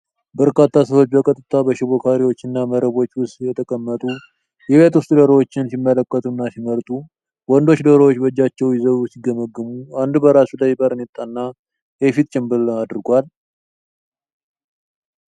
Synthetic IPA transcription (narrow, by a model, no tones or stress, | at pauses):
bəɾkʰat̪ʰːasəho̞t͡ʃːbəkʼət̪ʼɨt̪ʰabəʃɪβokʰaɾiwo̞t͡ʃːɨnːaməɾəβo̞t͡ʃːwʊst̪jɛt̪ʰəkʼəmːət̪ʼu | jɛβe̞t̪wʊst̪ʼud̪əɾəwot͡ʃːɪnsimːələkːət̪ʼunːasiməɾt̪ʼu | wɔnd̪o̞t͡ʃːd̪əɾəwot͡ʃːbəd͡ʒːat͡ʃːɛwjɪzəβsɪɡːəməɡːɨmuand̪bəɾasulajbʼəɾɨnɪt̪ʼːanːa | jɛfit̪ʼt͡ʃʼɪmbɨlad̪ɾɡʷal